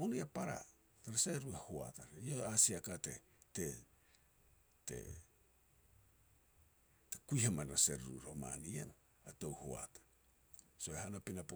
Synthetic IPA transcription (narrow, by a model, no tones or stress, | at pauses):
oniapaɾa̰ | ɾaseɾuehoa̰taioasiakate̞̰ | te | tḛ | tekujhamanɾaseɾɾṵɾo̞ma̰niḛn | atowho̰a̰tḁ | so̞ehanapinap